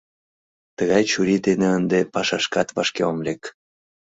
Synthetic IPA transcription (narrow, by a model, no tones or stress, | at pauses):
t̪əɣɑjt͡ɕuɾid̪eneənd̪epɑʃɑʃkɑt̪vɑʃkeomlek